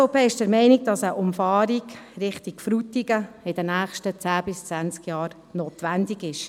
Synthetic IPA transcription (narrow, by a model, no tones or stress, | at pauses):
sfopeːɪʃd̥əɾmɛɪnɪɡ̚d̥ɑsəʔʊmfɑːɾiɡɾɪχtikfɾutiɡəɪd̥ənæːχʃtət͡sæːbɪst͡sʋænt͡skjɑːɾ | noːtʋændɪɡɪʃ